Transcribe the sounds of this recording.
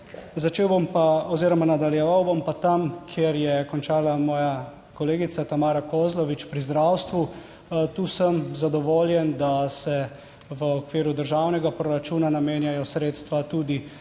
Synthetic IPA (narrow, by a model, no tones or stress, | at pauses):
zat͡ʃeːwbompaɔziːɾɔmanad̪aljɛʋawbɔmpat̪amkʰjeɾjɛkɔnt͡ʃaːlamɔːja | kɔleːɡit̪sat̪amaːɾakozlɔʋit͡ʃpɾizd̪ɾawst̪ʋu | t̪uːsəmzad̪ɔʋoːljɛnd̪asɛ | ʋəɔkʋiːɾud̪əɾʒawnɛɡapɾɔɾat͡ʃuːnanameːnjajɔsɾeːt̪st̪ʋat̪uːd̪i